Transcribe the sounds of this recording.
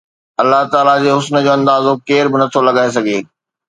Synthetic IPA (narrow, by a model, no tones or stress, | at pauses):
ɐlːaɦt̪aːlad͡ʑeːɦʊsnəd͡ʑoːɐ̃nd̪aːzokeːɾbɪnɐt̪ʰolɐɡaːes̬ɐɡʱeː